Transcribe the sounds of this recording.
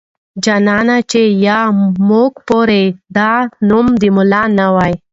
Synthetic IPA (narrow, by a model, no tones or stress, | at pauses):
d͡ʒanɑnat͡ʃejɑmukpoɾed̪ɑnumd̪imʊlɑnawaj